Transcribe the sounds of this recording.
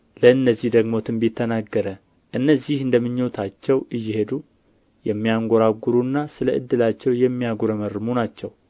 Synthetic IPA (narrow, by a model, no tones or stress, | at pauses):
ləɨnːəzːihd̪əɡmo̞t̪ʰɨmbit̪ʰːənaɡːəɾə | ʔɨnːəzːihɨnd̪əmːɨɲːo̞t̪ʰat͡ʃːɛwʔɨjːɪhe̞d̪u | jɛmːijaŋɡʷoɾaɡːuɾunːasɨləʔɨd̪ːɨlat͡ʃːɛwjɛmːijaɡuɾəmərːɨmunat͡ʃːɛw